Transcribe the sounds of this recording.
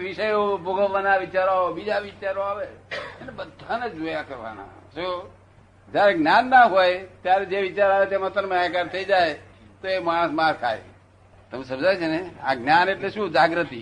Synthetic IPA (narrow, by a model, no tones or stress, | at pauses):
ʋɪʃəjoboɡəʋːanaʋit͡ʃaɾaobid͡ʒaʋit͡ʃaɾoaʋeenebəd̪ʱaned͡ʒojakəɾʋa̰na̰so | d͡ʒjaɾeɡnjanːaɦojt̪jaɾed͡ʒeʋɪt͡ʃaɾaʋet̪emət̪əɾmãek̬aɾt̪ʰəid͡ʒaj | t̪oemaɽ̃əsmaɾt̪ʰa̰j̰ | t̪əmesə̃md͡ʒajt͡ʃʰenea̰ɡnjaneʈleʃũd͡ʒaɡɾət̪i